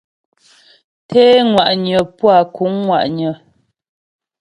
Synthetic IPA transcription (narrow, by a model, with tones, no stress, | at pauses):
tʰeː˦ŋwa˨ʔɲə˨pwa˨ku˨˦ŋːwa̰˨ʔɲə˨